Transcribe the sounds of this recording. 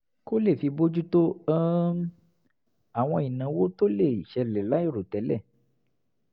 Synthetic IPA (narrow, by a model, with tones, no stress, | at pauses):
ko˦le˦˨fi˨˧bo˦d͡ʒu˦to˦a˦ | a˨w̃ɔ̃˧i˨nã˨˦wo˦to˦le˦˨i˨ʃɛ˧lɛ˨la˦i˦˨ɾo˨tɛ˨˦lɛ̰˦˨